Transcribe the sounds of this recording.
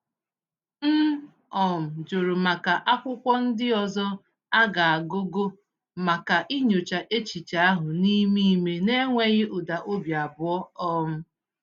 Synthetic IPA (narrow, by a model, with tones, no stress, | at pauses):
m̩˦ | ɔ˨m̩˨d͡ʒo˨ɾo˨ma˨ka˨ʔa˦kʷʊ˦kʷɔ˦n̩˦dɪ˦ɔ˨zɔ˦ | a˦ɡa˨a˨ɡo˦ɡo˦ | ma˨ka˨ʔi˦ɲo˨t͡ʃa˨ʔe˦t͡ʃi˨t͡ʃa˨˦a˦ɦʊ˨ni˦mi˦me˦ne˦ŋʷe˦ɣɪ˦ʔʊ˨da˨ʔo˦bja˨bʊ˨˦ɔ˦ɔ˦m̩˦